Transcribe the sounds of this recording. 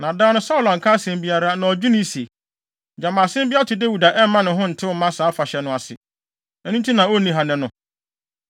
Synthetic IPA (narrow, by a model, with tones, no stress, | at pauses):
nã˨dãː˦nʊ̃˦sa˦ʊ˨lã˨ŋ̩˨kʰa˦sẽ˨mbi˦a˨ɾa˦nã˨ɔ˨d͡ʑᶣu˦nĩ˦se˨ | d͡ʑa˨maː˨sɪ̃˦m˦bi˦a˦tʰɪ˨de˦wu˨da˨ʔɛ˦m˦mã˦nʊ̃˨ɦʊ̃˦n̩˨tʰɪ˦wɔ˦mã˦sa˨˦fa˨ɕɛ˨nʊ̃˨˦a˨sɪ̰˨ | ɛ˦nũ˦n˦tʰi˦nã˨o˦˨nĩ˨ɦã˨nɪ̃˨nʊ̃˨